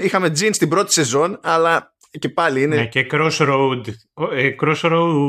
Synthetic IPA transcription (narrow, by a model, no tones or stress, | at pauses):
ixɐme̞d͡zinst̪ibɾo̞t̪i̥se̞zo̞nɐlɐ | ce̞pɐliineecekɾosɾowd̪ | ekɾosɾow